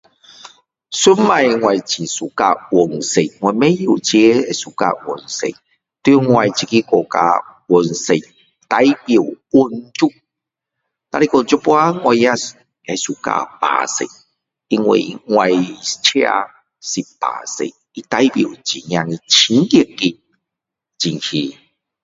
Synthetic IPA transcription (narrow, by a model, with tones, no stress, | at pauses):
su˦nma˨jŋwa˨jt͡ɕi˨su˨ka˧wo˨nse˨ŋwʷa˨mẽ˦jo˨t͡ɕje˧˦e˨su˨˩ka̰˧˨ʔwo˨nsḛ˨ | t̪ŋwa˨jt͡ɕi˧ki˦kɔ˨ka̰˧wo˨nse˨ | t̪a˦jbje˨wwo˧nt͡ʃu˦ | t̪a˧ɾi˧ku˧˨nt͡ɕu˦pwa˦ŋwa˧˨jja˦ | e˨˧˨su˨ka̰˧pa̰˨sḛ˨ | i˧ŋwḭ˨ŋwa˧˨jt͡ɕʰja̰˧ | si˨pa̰˨sḛ˨ | i˦t̪a˧˦jbjo˨t͡ɕi˨ŋjã˧ŋi˧t͡ɕʰi˧˦ŋki˧˨ki˧ | t͡ɕi˨ŋhi˧